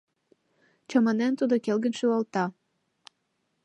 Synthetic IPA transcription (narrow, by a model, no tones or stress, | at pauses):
t͡ɕɑmɑnent̪ud̪okelɡənʃyɑlt̪ɑ